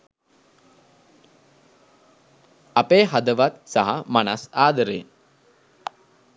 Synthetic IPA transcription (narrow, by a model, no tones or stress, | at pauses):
apeːɦad̪əʋat̪saɦamanasaːd̪əɾeː